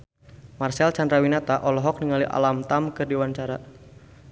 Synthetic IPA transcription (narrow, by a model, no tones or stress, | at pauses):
marsɛlt͡ʃandɾawinat̪aʔɔlɔɦɔk̚niŋaliʔa̰lamt̪amkɨrdiwant͡ʃaɾa